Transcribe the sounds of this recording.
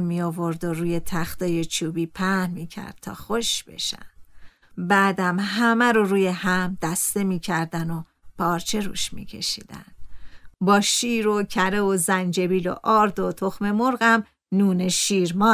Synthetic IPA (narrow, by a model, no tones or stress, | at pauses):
mmiovo̞ɾd̪oɾuːjet̪ʰæxt̪ɒːjet͡ʃʰuːbiːpʰæhnmiːcʰæ̰ɾd̪̚t̪ʰɒ̰ːxoʃb̥e̞̰ʃæ̰n | bæːd̪æmɦæmæɾoɾuːje̞hæmd̪æst̪e̞miːcʰæɾd̪æno | pʰɒːɾt͡ʃʰe̞ɾṵːʃmḭːcʰe̞̰ʃḭːd̪̥æ̰nd̪̥bɒːʃiːɾocʰæɾe̞ozænd͡ʒe̞biːlo̰ʔɒːɾd̪ot̪ʰoxme̞moɾɣæm | nuːneʃiːɾmɒː